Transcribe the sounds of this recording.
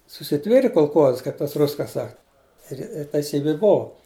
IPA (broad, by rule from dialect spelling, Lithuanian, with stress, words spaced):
sʊsʲɪˈtʲʋʲeːrʲeː koːlˠˈkoːzɐ ˈkɐɪp tɐs ˈrʊs kɐ ˈsɐk ˈɪr ɪr tʲɛɪˈsʲiːbʲɪ ˈboːʋʊ